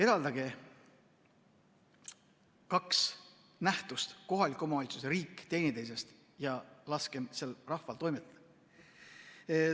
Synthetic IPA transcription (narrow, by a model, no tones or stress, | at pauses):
e̞d̪̥ɑld̪ɑɡe̞ | kɑks | næht̪ust̪ko̞ɦɑlʲikːˑo̞mɑɑlʲt̪suseɾiːkːˑt̪e̞ːnʲid̪ejs̬e̞st̪ | jɑlɑskemse̞lrɑhfɑlt̪o̞jmet̪ːɑd̪̥ɑ